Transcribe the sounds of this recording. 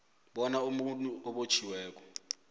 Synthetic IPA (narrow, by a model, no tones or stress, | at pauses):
ɓɔnaumutʼuʔɔɓot͡ʃʰiwɛːk̬ɔ̥